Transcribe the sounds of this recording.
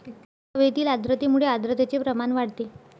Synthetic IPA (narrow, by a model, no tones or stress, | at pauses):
ʋet̪iːlad̪ɾət̪emuɭead̪ɾət̪et͡sepɾəmanʋaɽt̪e